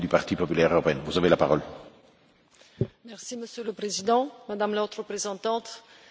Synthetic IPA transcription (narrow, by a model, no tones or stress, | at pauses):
d̪ypaʁt̪ipɔpylɛʁøʁɔpeɛnvuzavelapaʁɔl | mɛʁsiməsjøləpχezid̪ɑ̃mad̪amlot̪ʁəpχezɑ̃t̪ɑ̃t̪